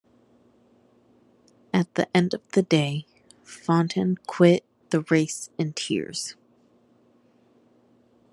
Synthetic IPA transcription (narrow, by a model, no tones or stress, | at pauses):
ɨt̪̚ðḭʔɛ̃ndʌvðɨdeɪ | fɑ̃ntʰɨ̃nkʰw̥ɪt̪̚ðɨɹeɪsɨ̃ntʰɪ̰ɹz̥